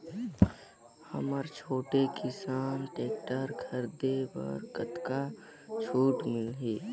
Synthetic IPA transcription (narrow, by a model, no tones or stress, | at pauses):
hə̰məɾt͡ʃʰoːʈekʰɪsaːnʈeːk̚ʈəɾkʰəɾd̪ebɔ̰ɾkət̪ka | t͡ʃʰuːʈmɪlɦeː